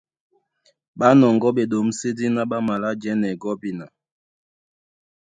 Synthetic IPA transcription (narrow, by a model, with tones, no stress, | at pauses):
ɓa˦nɔ˨ŋɡɔ˦ɓe˨ɗo˨˦m̩˦se˦di˦na˦ɓa˦ma˨la˦d͡ʒɛ˦nɛ˨ɡɔ˦bi˦na˨